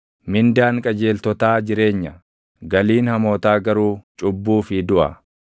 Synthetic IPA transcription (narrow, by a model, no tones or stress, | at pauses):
mɪnd̪aːŋkʼɐd͡ʒe̞ːlt̪ɔt̪aːd͡ʒɪɾe̞ːɲːɐ | ɡɐliːnhɐmo̞ːt̪aːɡɐɾuːt͡ʃʼʊbːuːfɪd̪ʊʔɐ̰